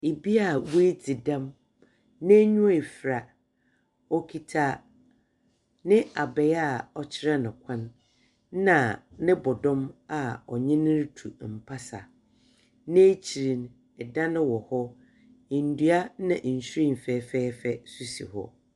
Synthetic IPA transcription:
e˨bi˦a˨wu˦e˦d͡zʰi˨dã˦m | nɪ̃˦ɲũ˦a˦˨e˨fɾa˨ | ɔ˦kʰi˦tʰa˦ | nɪ̃˦a˨bɛ˨ja˦˨ɔ˨t͡ɕʰɪ˦ɾɛ˦nʊ̃˨kʷʰã˦n˦ | nã˨nɪ̃˦bɔ˨dɔ̃˦ma˨ɔ˨ɲɛ̃˦nɪ̃˦ɾtʰu˨m̩˨pʰa˦sa̰˨ | nɪ̃˦t͡ɕʰi˨ɾĩ˨n | ɛ˨dã˦nɪ̃˦wɔ˨hɔ˦ | ɪ˨n̩˦du˦a˦nã˨ʔ̩˨ɕɾĩ˦˨m̩˨fɛ˦fɛː˦fɛ˦su˦sḭ˨hɔ̰˦

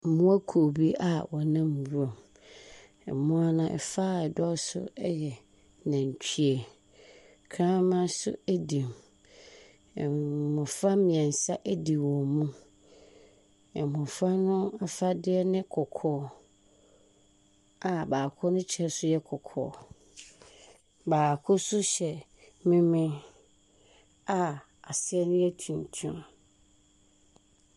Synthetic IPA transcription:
m˨mʊ̃˦æ˦kʰo˨bi˦a˨wɔ˨nã˦m̩˨bu˦ã˨m | ɛ̰˨mʊ̃˦a˦nã˨ʔɛ̰˨fa˦˨ɛ˨dɔ˦sʊ̰˦ɛ˦jɛ˨ | nã˨ɲ˨t͡ɕᶣʰi˦e˨ | kʰɾã˦mã˦sʊ̰˦e˦di˨m˨ | mʊ̃˨fa˦mɪ̃˨ɛ̃˨n˨sa˦ʔæ˦di˨wɔ̃˨mũ˦ | ɛ˨mʊ̃˨fa˦nʊ̃˦a˨fa˦dɪ˦ɛ˦nɪ̃˦kʰɔ˨kʰɔː˨˦ | a˨baː˨kʰʊ˦nʊ̃˦t͡ɕʰɛ˦sʊ˦jɛ˦kʰɔ˨kʰɔ̰ː˨ | baː˨kʰʊ˦sʊ˦ɕɛ˨ | mĩ˦mɪ̃˦ | a˨ | a˨sɪ˦ɛ˦nʊ̃˦ɛ˦tʰũ˨ntʰũ˦m

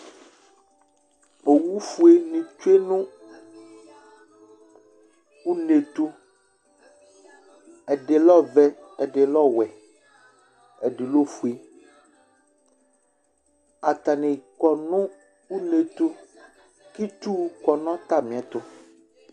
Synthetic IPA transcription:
o˨wu˦fu˦e˦nĩ˨t͡ʃu˦e˦nũ˦ | u˦ne˨t̪u˦ | ɛ˨ɖe˨lɔ˦vɛ˦ɛ˨ɖe˨lɔ˦wɛ˨ | ɛ˨ɖe˨lo˦fu˨e˨ | a˨t̪a˨nɛ̃˨kɔ˨nʊ̃˦ | u˦ne˨t̪o˦ | ki˦t̪u˦˨kɔ˨nɔ̃˦t̪a˦mĩ˨a˨t̪ʊ˦

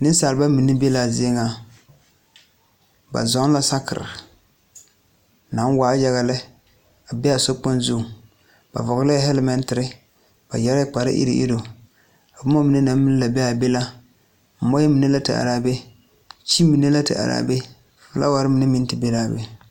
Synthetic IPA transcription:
nɨ˦saː˨lɨ˨ba˦mi˨nɨ˦be˦la˨zɪ˦e˦ŋa˨ | ba̰˨zɔ˦ŋ˦la˦sa˦kɪ̰˨ɾɪ̰˨ | na˨˦n˦waː˨˦ja˦ɣa˨lɪ˦ | a˨bɛ˦a˨so˦k͡pʊ˦nzʊ˦˨ | b̥a̰˨vɔ˨ɣla˦ɦɛ˦lmɛ˦n˦tɪ˨ɾɪ˦ | b̥a˨jɛ˦ɾa˦k͡pa˨ɾɪ̰˦ʔḭ˦ɾɪ̰˨ʔḭ˦do˨ | a˨bu˦ma˦mi˨ne˦na˨˦m˦mi˦n˦la˨bɛ˦a˨be˦la˦ | m̩˨mɔ˦jɛ˦mi˨ne˦la˦tɨ̰˨ʔa̰˨ɾaː˨be˦ | t͡ʃi˦mi˨ne˦la˦tɨ̰˨ʔa̰˨ɾa̰˨be˦˨ | fla̰˦wa˨ɾɪ˦mi˨nɨ˦mi˦n˦tɨ˦be˦laː˨be˦

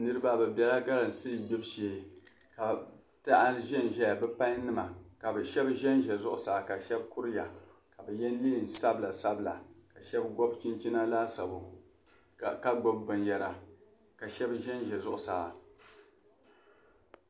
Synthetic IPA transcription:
nɨ˦ɾɨ˦ba˦bɛ˨bɛ˨la˦ɡa˦lɨ˨n˨sɨ˦˨bɛ˦bʃeː˨ | ka˨ | ta˦ʔa˦ʒɛ˦n˨ʒɛ˦ja˨bɛ˦pa˦ɲ˦nɨ˦ma˨ka˨bɨ˨ʃɛ˦bʒɛ˦nʒɛ˨zʊ˦ʔʊ˨saː˨ka˨ʃɛ˦bkʊ˦ɾja̰˨ | ka˨bɛ˨jɛ˦n˦liː˦˨n˨sa˦bla˨sa˦bla̰˨ka˨ʃɛ˦bɡɔ˦bt͡ʃi˦nt͡ʃi˦na˦laː˦sa˨bo˨ | ka˦ɡ͡bɔ˦bːɨ˨nja˨la˨ | ka˨ʃɛ˦bʒɛ˦nʒɛ˨zʊ˦ʔʊ˨saː˨

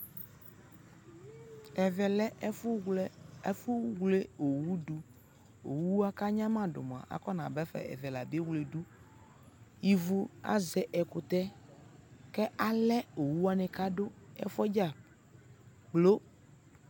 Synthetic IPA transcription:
ɛ˨vɛ˨lɛ˦ | ɛ˦fu˦wle˦o˨wu˦ɖu˨ | o˨wu˦a˦ka˦ɲã˦mã˦ɖo̰˨m˨a̰˨ʔa̰˨kɔ˦nã˨bɛ˦fɛ̰˦˨ɛ̰˨vɛ˨la˨bi˦e˦wle˨ɖu˦ | ji˨vu˦a̰˦zɛ˨ʔɛ˨ko˨t̪ɛ˦ | kɛ˦ʔa˦lɛ˦o˨wu˦a˦nɛ̃˨ka˦ɖo˦ɛ̰˦fɔ˦d͡ʒa˦˨ | ɡ͡blo˦

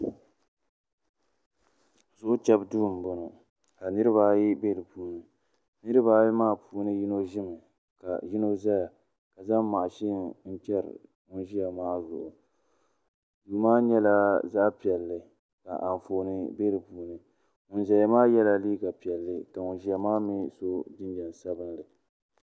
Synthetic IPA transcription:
zʊ˦ʔʊ˦t͡ʃɛ˦bdu˦˨m˨bo˦no˨ | ka˨nɨ˦ɾɨ˦βa˦ji˦be˦˨lɨ˨puː˦nɨ˨ | nɨ˦ɾɨ˦ba˦jmaː˦pʰuː˦nɨ˦ji˦no˦ʒɪ˦mɨ˨ | ka̰˨ji˦no˦za˦ja˨ | ka˨za˦mːa˨ʔa˨ʃi˦˨n̩˦t͡ʃɛ˦ɾ̰ | ŋʊ˦n˦ʒi˦ja˨maː˦zʊ̰˨ʔʊ˨ | juː˨maː˦ɲɛ˦la˦za˦ʔpi˨ɛ˨lːɨ˨ | ka̰˨ʔa˨n˨fo˨nɨ˨be˦lɨ˨puː˨˦nɨ˨ | ŋʊ˨nʒɛ˨ja˨maː˦jɛ˦la˦liː˦ɡa˨pi˨ɛ˨lːɨ˦ka˨ŋʊ˨nʒi˦ja˨maː˦mi˦so˦dɨ˦ɲ˦d͡ʒɛ˨n˨sa˦bɨ˦n˦lɨ˨

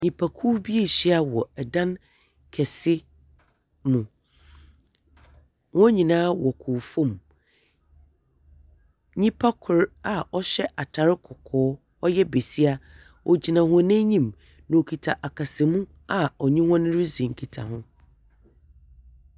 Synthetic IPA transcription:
ɲĩ˨pʰa˨kʰuː˦bi˦e˦˨ɕi˦a˨wɔ˨ɛ˨dã˦n | kʰɛ˨sɪ˦ | mũ˨ | wɔ̃˦ɲĩ˨nãː˦wɔ˨kʰʊː˨fõ˦˨m | ɲĩ˦pʰa˦kʰʊ˨ɾa˨ɔ˦ɕɛ˦ʔa˨tʰa˨ɾɪ˦kʰɔ˨kʰɔː˦ | ɔ˦jɛ˦be˨si˦a˦ | ʔɔ˨d͡ʑi˨nã˨ɦʊ̃˨nɛ̃˦ɲĩ˦˨m | nã˨o˨kʰi˨tʰa˨ʔa˨kʰa˨sɪ˨mũ˦ | a˨ɔ˨ɲĩ˦wɔ̃˦nɪ̃˦ɾɪ˦sĩ˨ŋ̩˨kʰi˨tʰa̰˨hʊ̃˦

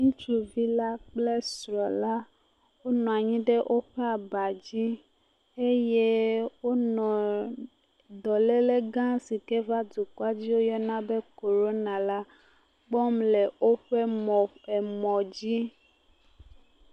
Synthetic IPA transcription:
ŋũ˦t͡ʃu˨vi˦la˦k͡ple˦sɾɔ˨la˦ | wo˦nɔ̃˨a˨ɲĩ˦ɖe˦ʔo˦ɸe˦a˨ba˨d͡ʑi˦ | e˦je˦wo˦nɔ̃˨ | dɔ˨le˦le˦ɡã˦si˨ke˦va˦du˨kwa˦d͡ʑi˦wo˦jɔ˦nã˦be˦ko˨ɾo˦nã˨la˦ | ɡ͡bɔ˦mle˨o˦ɸe˦mɔ˨e˨mɔ̃˨d͡ʑi˦

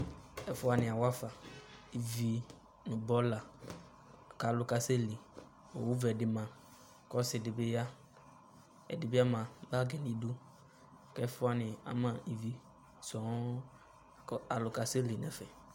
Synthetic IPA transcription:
ɛ˦fʊ˦a˨nɪ̃˨a˨wa˦fa˨i˨vi˨ | nũ˨bɔ˦la˨ | ka˨lʊ˨ka˨se˦li˨ | o˨wu˦vɛ˨dɪ˨mã˨ | kɔ˦sɪ˨dɪ˨be˦ja˦ | ɛ̰˨dɪ˨bɪ˦a˦mã˨ba˦ɡɛ˨nĩ˨˦du˦˨ | kɛ˦fʊ˦a˨nɪ̃˨a̰˨mã˦i˨vi˨ | sɔ˨˦˨ | a˨lʊ˨ka˨se˦li˨nɛ̰˨fɛ˨

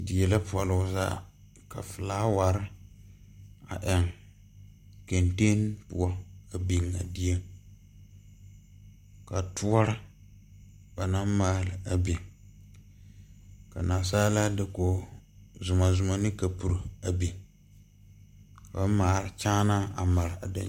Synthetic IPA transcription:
di˨ɛ˨la˦pu˨ɔ˨lʊ˨˦za̰˦ | ka̰˨fɨ˨laː˦wa˨ɾɪ˦ | a̰˨ʔɛ˨ŋ | ke˨nte˦npṵ˦a˦a˨bi˨ŋa̰˨di˦e˦ŋ | ka˨tʰu˦ɔ˦ɾɨ˦ | ba˨na˦mmaː˦lɨ˨a˨bi˨ | ka̰˨naː˨saː˦la˦dɪ˨ko˨zʊ˨ma˨zʊ˨ma˨nɨ˦ka˨pu˨ɾa˨bi˨ | ba˦maː˨ɾɨ˨t͡ʃaː˦na˦a̰˨ma˨ɾɨ˨a̰˨da̰˨

